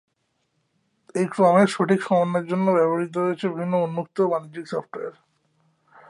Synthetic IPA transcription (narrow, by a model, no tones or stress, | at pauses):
ejkɾɔmeʃoʈʰikʃɔmonːeɾd͡ʑonːobɛboɾit̪̬oɾoet͡ɕʰebibʱinːoonːuk̚t̪obanid͡ʑd͡ʑiksɔfʈoeɾ